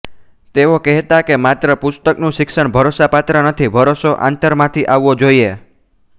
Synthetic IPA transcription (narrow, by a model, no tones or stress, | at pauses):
t̪eokɛɦt̪akemat̪ɾəpʊst̪əknũʃɪkʃəɳ̃bʱəɾosapat̪ɾənət̪ʰibʱəɾosoʔa̰nt̪əɾmãt̪ʰiʔaʋːod͡ʒoie